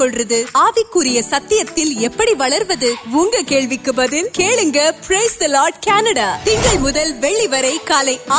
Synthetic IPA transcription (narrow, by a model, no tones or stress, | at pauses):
ɔɭrɐðɯaːʋɪkːɯɾɪjɐsɐt̪ːɪjɐt̪ːɪlɛpːɐɽiʋɐɭɐɾʋɐðɯʋuːŋɡɐkeːɭʋɪkːɯbɐðɯnkeːɭɯŋɡɐpɾeɪsd̪ɐlaːɾɖkaːnɐɽaːt̪ɪŋɡɐɭmʊðɐlʋɛɭːiʋɐɾɐɪkːaːlɐɪ